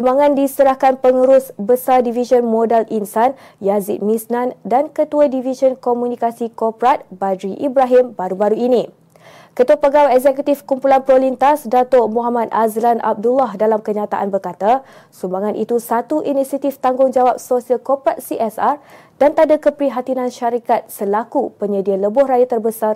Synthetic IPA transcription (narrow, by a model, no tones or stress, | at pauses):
sumbaŋãndisəɾahkanpəŋuɾʊsbəsadiviʃənmodalinsan | jazit̪̚misnãndankət̪uadivisənkomũnĩkasikɔpɾat̪̚bad̪ɾiʔibɾaɦimbaɾubaɾuinĩ | kət̪uapəɡawɛk̚zɛkut̪ifkumpulanpɾolint̪asdat̪omuɦamat̪̚azlanʔa̰b̚dulahdalamkəɲãt̪a̰ʔanbərkat̪a | sumbaŋãnʔḭt̪usat̪uʔinisiat̪ift̪aŋɡʊŋd͡ʒawap̚sosialkɔpɾat̪̚siʔɛsar | d̥ant̪adakəpɾiɦat̪inãnʃaɾikat̪̚səlakupəɲədialəbʊhrajat̪ərbəsar